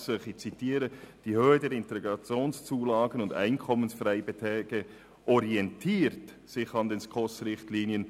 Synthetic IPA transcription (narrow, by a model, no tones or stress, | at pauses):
søχit͡sitiːɾəd̥ihøːədɛɾɪnteeɡɑt͡sjoːnst͡suːlaːɡənʊnda̰ɪnkʰɔmənsfraɪbətʰɛːɡ̥ə | ʔɔɾiɛntʰiːɾt | sɪχɑndɛnskʰɔsɾɪχtliːnjən